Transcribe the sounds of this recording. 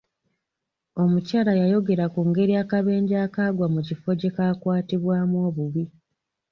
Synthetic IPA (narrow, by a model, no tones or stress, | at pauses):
o̞mucaːlajajo̞ɡe̞ɾakuŋɡe̞ɾiaːkaβe̞ːɲɟaːkaːɡwamucifo̞ce̞kakwaːtiβwaːmwo̞ːβuβi